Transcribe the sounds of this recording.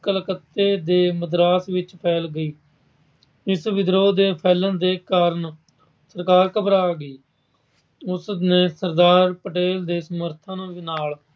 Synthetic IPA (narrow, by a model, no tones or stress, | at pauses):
kəlkət̪ːeːd̪eːməd̪ɾaːsʋɪt͡ʃpʰɛːlɡəiː | ɪsʋɪd̪ɾoːd̪eːpʰɛːlə̃nd̪eːkaːɾən | səɾkaːɾkəpɾaːɡiː | ʊsneːsəɾd̪aːɾpəʈeːld̪eːsəməɾt̪ʰãːnũːʋinaːl